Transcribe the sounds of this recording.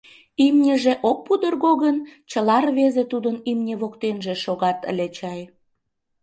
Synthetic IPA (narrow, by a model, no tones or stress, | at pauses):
imnʲəʒeʔok̚pud̪ərɣoɣənt͡ɕəlɑrβezet̪ud̪ənimnʲeβokt̪enʒeʃoɣɑt̪ə̰lʲet͡ɕɑj